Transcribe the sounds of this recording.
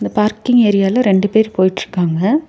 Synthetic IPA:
ɪnd̪ɐpaːɾkɪŋeːɾɪjaːlɐɾɛɳɖɯpeːɾipoːjɪʈːrɯ̥kːaːŋɡɐ

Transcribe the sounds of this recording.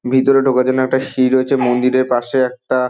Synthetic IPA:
bʱit̪oɾeɖʱokad͡ʑonɛk̚ʈaʃiɾojet͡ɕʰemond̪iɾeɾpaʃeɛk̚ʈa

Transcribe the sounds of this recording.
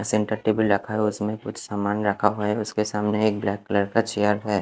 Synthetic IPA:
sẽɳʈəɾʈeːbəlɾɐkʰaɦɛʊsmẽkʊt͡ʃʰsaːmaːnɾɐkʰaɦuaɦɛʊskesaːmneːk̚blɛːkːələɾkat͡ʃejəɾɦɛː

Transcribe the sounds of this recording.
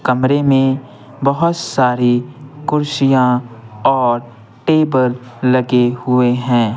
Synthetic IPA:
kɐmɾemẽ | bɐɦʊt̪saːɾikʊɾʃijãɔːɾ | ʈeːbəlː | ɐɡehʊeɦɛ̃ː

